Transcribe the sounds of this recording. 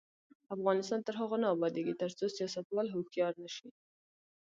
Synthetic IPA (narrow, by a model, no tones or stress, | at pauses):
afɣɑnɪst̪ɑnt̪əɾɦaɣanɑːbɑd̪eɡit̪əɾt͡sosijɑsat̪wɑlɦuxjɑɾnaʃi